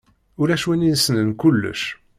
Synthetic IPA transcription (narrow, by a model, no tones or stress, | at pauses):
ʊlæʃwæninsənənkulːə̰ʃ